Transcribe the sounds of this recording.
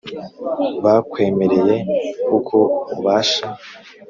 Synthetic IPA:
βakwe̞ːme̞ɾe̞je̞kukʰo̞uβaːʃa

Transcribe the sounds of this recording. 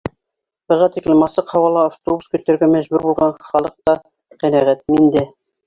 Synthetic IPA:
b̥ɤ̆ʁɑt̪iklɘmɑsɤqhɑwɑlˠɑaft̪obuskɵ̆t̪ːæ̆ɾɡæmæʑbʉɾbulˠʁɑnχɑlˠɤq̚t̪ɑ | qænæʁæt̪̚mind̪æ

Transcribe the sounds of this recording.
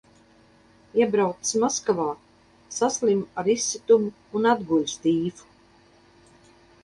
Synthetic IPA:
iɛbɾawt̪smɔskavaː | saslʲimaɾisːit̪umuːnad̪ɡulʲst̪iːfu̥

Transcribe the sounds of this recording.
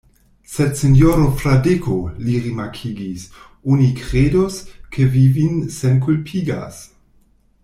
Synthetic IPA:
setsenjoɾofladekʰoliʁimakʰiɡis | unikʁedoskʰevivinsenkulpʰiɡa̰s

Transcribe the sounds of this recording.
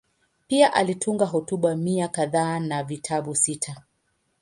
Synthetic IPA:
piaʔalitʰuŋɡaɦɔtuɓamiakaðaːnavitʰaɓusitʰa

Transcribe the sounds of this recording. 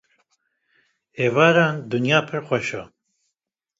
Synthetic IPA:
eːvaːɾaːnd̪ɨnjaːpʰɨɾxʷɛʃaː

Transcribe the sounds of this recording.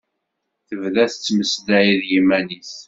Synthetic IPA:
θəvðæθət͡sːməsd̪æjiðjimæniθ

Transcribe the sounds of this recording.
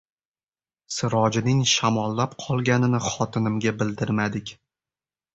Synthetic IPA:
sɪɾɒd͡ʒɪnɪŋʃamɒlˠːapqʰɒlˠɡʲanɪnɪχɒt̪ʰɪnɪmɡʲabɪld̪ɪɾmad̪ɪkʲ

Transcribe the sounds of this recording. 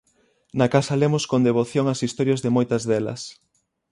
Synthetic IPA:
nɐkasɐlemʊskond̪eβoθjoŋɐsist̪oɾjɐzðɪmojt̪ɐzðɛlɐ̰s

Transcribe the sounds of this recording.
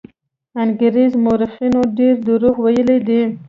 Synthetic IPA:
anɡəɾizmoɾɪfinoɖeɾd̪əɾuɣwajəled̪i

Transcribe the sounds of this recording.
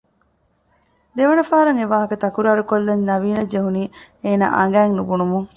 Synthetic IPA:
d̪eʋɐnɐfaːɾɐŋeʋaːɦɐkɐt̪ɐkuɾaːɾukolːɐɲnɐʋiːnɐd͡ʒeɦuniːeːna̰ːʔɐ̰ŋɡæːŋnubunumuŋ

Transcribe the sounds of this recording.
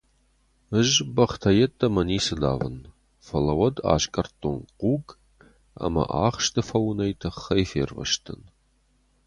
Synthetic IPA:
ɨʒbɐχtʰɐjɛtʰʼːɐmɐniːsɨda̰ːvɨn | fɐlɐwɐda̰ːɕkʼɐrtʰʼonquːɡ | a̰mɐ̰ʔaːχʃtʰɨfɐwnɐjtʰɐχɐjfḛːrvɐ̰ʃtʰɨn

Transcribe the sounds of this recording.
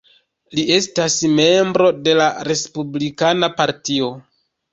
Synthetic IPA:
lie̞stasme̞mbɾo̞de̞laɾe̞spublikanapaɾtio̞

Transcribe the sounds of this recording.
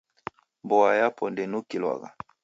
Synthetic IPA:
mbɔajapʰɔndɛnukilwa̰ɣa̰

